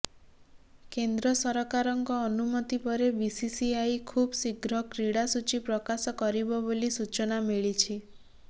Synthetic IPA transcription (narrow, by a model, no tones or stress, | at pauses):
kend̪ɾɔsɔɾɔkaɾɔŋkɔːnumɔt̪ipɔɾebisisiajkʰubsiɡɾɔkɾiɽasut͡ʃipɾɔkasɔkɔɾibɔbolisut͡ʃɔnamiɭit͡ʃʰi